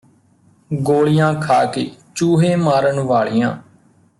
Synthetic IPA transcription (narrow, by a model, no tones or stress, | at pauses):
ɡoːɭɪjãːkʰaːkeːt͡ʃuːɦeːmaːɾənʋaːɭijãː